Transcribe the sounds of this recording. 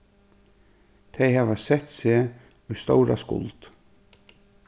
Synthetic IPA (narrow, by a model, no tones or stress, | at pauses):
t̪ʰejhaːvasɛht̪sɪː | ujst̪owɾa̰skʊ̰lt̪